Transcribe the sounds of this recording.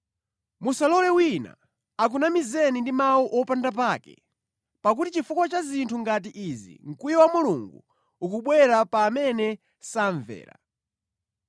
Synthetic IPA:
musalɔlɛwina̰ | ak̬unamizɛnindimawuʔɔpandap̬aːkɛ̰ | pak̬utit͡ʃifukwat͡ʃazintʰuŋɡat̬iʔizḭŋ̩kujɔwamuluŋɡu | ukuɓwɛɾapaːmɛnɛ | saɱvɛ̰ːɾa̰

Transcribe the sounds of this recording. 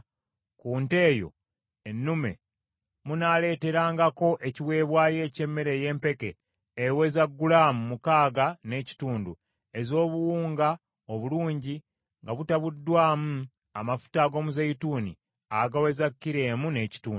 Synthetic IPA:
kuːnte̞ːjo̞̰ | enːume̞̰ | munaːle̞ːte̞ɾaːŋɡako̞ʔe̞ciwe̞ːβwaːje̞ːce̞mːe̞ɾe̞je̞ːmpe̞keː | we̞zaɡːulaːmumukaːɡane̞ːci̥tuːndu | e̞zo̞ːβuwuːŋɡa | oβuluːɲɟi | ŋɡaβutaβudːwaːmu | amafu̥taɡo̞ːmuzaituːnḭ | aɡawe̞zakːiɾe̞ːmune̞ːci̥tuːnu

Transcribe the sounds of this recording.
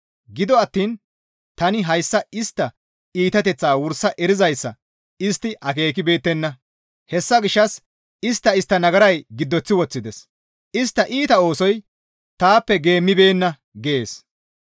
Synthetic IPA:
ɡɪd̪ɔɐt̪ːiːn | t̪ɐnɪɦɐjsːɐɪst̪ːɐ | iːt̪ɐt̪ɛt͡sːaːwʊɾsɐʔɛɾɪzɐjsːɐ̰ | ɪst̪ːɪɐke̞ːkɪbe̞ːt̪ːɛnːɐ | hɛsːɐɡɪʃːɐs | ɪst̪ːɐɪst̪ːɐnɐɡɐɾɐjɡɪd̪ːɔt͡sːɪwɔt͡sːɪd̪ɛs | ɪst̪ːɐʔiːt̪ɐo̞ːsɔj | t̪aːpːɛɡe̞ːmːɪbe̞ːnːɐ | ɡeeːs

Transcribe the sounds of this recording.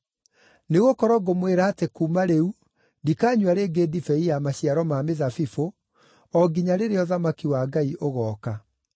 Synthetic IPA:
neɣokɔɾɔɡomweɾaːtekumaɾeu | ndikaːɲwaɾeːɡeːdifɛijamaɕiaɾɔmameðafifo | ɔɡiɲaɾeɾeɔðamakiwaːɡaiʔoɣɔːka

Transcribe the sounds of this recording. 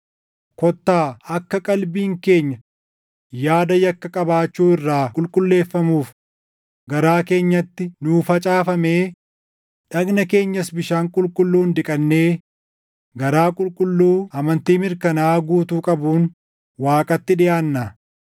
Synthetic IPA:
kɔt̪ːaːɐkːɐkʼɐlbiːŋke̞ːɲːɐ | jaːd̪ɐjɐkːɐkʼɐbaːt͡ʃːuːɪrːaːkʼʊlkʼʊlːe̞ːfːɐmuːf | ɡɐɾaːke̞ːɲːɐt̪ːɪnuːfɐt͡ʃʼaːfɐme̞ː | ᶑɐɡnɐke̞ːɲːɐsbɪʃaːŋkʼʊlkʼʊlːuːnd̪ɪkʼɐnːe̞ː | ɡɐɾaːkʼʊlkʼʊlːuːɐmɐnt̪iːmɪɾkɐnaːɡuːt̪uːkʼɐbuːn | waːkʼɐt̪ːɪᶑɪjaːnːɐ

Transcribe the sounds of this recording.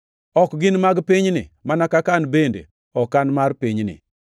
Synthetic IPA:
ɔkɡɪnmaɡpɪɲnɪ̰manakakanbendḛ | ɔkːanmaɾpɪɲnɪ̰

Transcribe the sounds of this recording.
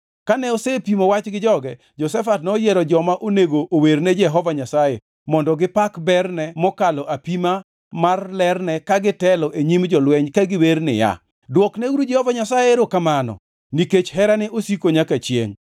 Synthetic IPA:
kanɛosepimowat͡ʃɡɪd͡ʒɔɡɛ | d͡ʒɔsɛfatnojɛɾɔd͡ʒɔmaʔoneɡoʔoweɾnɛd͡ʒɛɦɔvaɲasaje | mɔndɔɡɪpakbɛrnɛmɔkalɔʔapima | marlɛrnɛkaɡɪtɛlɔʔeɲimd͡ʒɔlwɛɲkaɡɪweɾnɪ̰ja̰ | dwɔknɛwuɾud͡ʒɛhɔvaɲasajeɾokamanɔ̰ | niket͡ʃɦɛɾanɛʔosikoɲakat͡ʃjḛŋ

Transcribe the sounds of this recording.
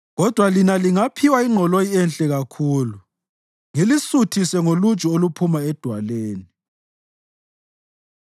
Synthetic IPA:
ɣɔd̥ʱwalinaliŋapʰiwaiŋ͡ǃʱɔlojɛnɬʼɛɣakʰuːlu | ŋelisutʰisɛŋolu̥t͡ʃʼɔolupʰumaɛd̥ʱwaleːni

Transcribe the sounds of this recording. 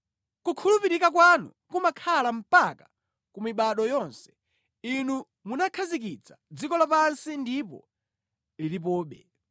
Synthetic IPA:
kukʰulupiɾikakwanṵ | kumakʰalam̩paka | kumiɓaɗɔjɔnsɛ̥ | inu | munakʰazik̬it͡sḁd͡zikɔlapansindipɔ̰ | lilip̬ɔːɓɛ̰

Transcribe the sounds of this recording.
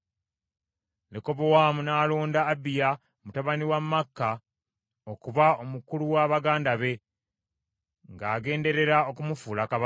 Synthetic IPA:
leko̞βowaːmunaːloːndaːbija | mutaβaniwamːakːa | okuβao̞mukuluwaːβaɡaːndaβe̞ | ŋɡaːɡe̞ːnde̞ɾe̞ɾao̞kumufuːlakaβa

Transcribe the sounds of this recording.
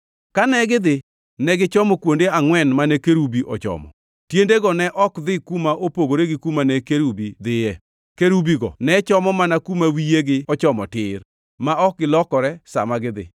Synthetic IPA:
kanɛɡɪd̪ɪ | nɛɡɪt͡ʃɔmɔkwondeaŋwɛnmanɛkeɾubiʔɔt͡ʃɔ̰mɔ̰ | tjendeɡɔnɛʔɔkd̪ɪkumaʔopoɡoɾeɡɪkumanɛkeɾubid̪ɪjɛ | keɾubiɡɔ̰nɛt͡ʃɔmɔmanakumawijeɡɪɔt͡ʃɔmɔtɪr | maɔk̚ɡɪlɔkɔɾɛsa̰maɡɪd̪ɪ̰

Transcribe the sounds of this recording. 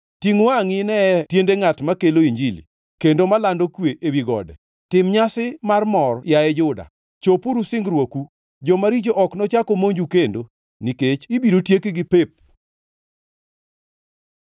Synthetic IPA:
tiŋaŋɪnɛtjendeŋatmakeloiɲd͡ʒilḭ | kendomalandokweʔewiɡɔ̰dɛ | tɪmɲasɪmarmɔrjaɛd͡ʒʊda̰ | t͡ʃopuɾusɪŋɡɾwoku | d͡ʒɔmaɾit͡ʃoʔɔknɔt͡ʃakomoɲd͡ʒukendo | niket͡ʃibiɾotjekiɡɪpep̚

